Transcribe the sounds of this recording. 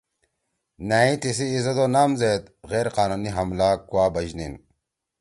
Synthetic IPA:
naːĩt̪isiːzɐd̪onaːmzeːt̪ɣeːɾqaːnuːniɦɐmlaːkwaːbɐd͡ʑnin

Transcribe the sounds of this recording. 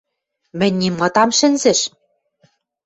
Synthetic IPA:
mɘ̆nʲːimːɤ̆t̪ɑmʃɘ̆nzɘ̆ʃ

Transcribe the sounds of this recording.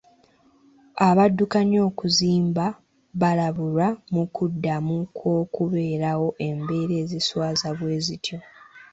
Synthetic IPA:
aβadːukaɲo̞ːkuziːmba | βalaβulamukʰudːamukʰwo̞ːkuβe̞ːɾawo̞ʔe̞mbe̞ːɾe̞ːziswaːzaβwe̞ːzitjo̞

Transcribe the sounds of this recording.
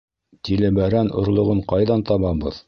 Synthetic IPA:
t̪ilɘ̆bæɾænʔŏ̰ɾlˠŏʁɤɴqɑjðɑnt̪ɑβɑbɤ̰ð

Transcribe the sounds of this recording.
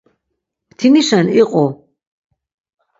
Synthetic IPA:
t̪ʰiniʃaniqʼɔ

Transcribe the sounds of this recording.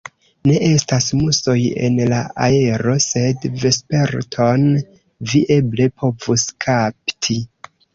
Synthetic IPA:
ne̞ʔe̞stasmuso̞je̞̰nlaʔae̞ɾo̞se̞dve̞spe̞ɾtʰo̞n | viʔe̞ble̞pʰo̞vuskʰaptʰi

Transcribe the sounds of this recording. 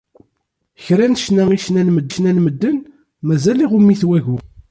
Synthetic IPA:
çɾænʃnæiʃnænməd̪ːʃnænməd̪ːən | mæzæliʁumiθwæʝu

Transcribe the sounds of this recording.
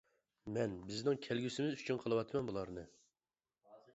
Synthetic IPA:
mɛnbɪznɪŋkʲʰælɡʲysɪmɪzyt͡ʃʰynqʰəlˠɨwɑt̪ʰmɛnbulˠɑɾnɨ

